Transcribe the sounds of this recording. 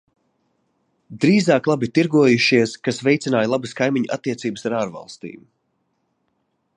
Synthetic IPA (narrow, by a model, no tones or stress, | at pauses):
d̪ɾiːzaːklˠabit̪iɾɡuɔjuʃiɛskasvɛjt̪sinaːjlˠabɨskajmiɲuʔa̰t̪ːiɛt̪siːbəsaɾaːɾva̰lˠst̪ḭːm